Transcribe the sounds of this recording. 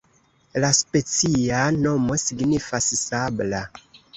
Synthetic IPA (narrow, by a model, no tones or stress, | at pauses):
laspe̞t͡siano̞mo̞siɡnifassabla